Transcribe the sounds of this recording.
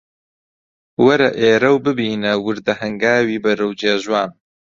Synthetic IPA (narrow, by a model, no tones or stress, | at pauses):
wɐɾɐʔeːɾɐwbɨbiːnɐwɨɾd̪ɐhɐŋɡaːwiːbɐɾɨwd͡ʒeːʒwaːn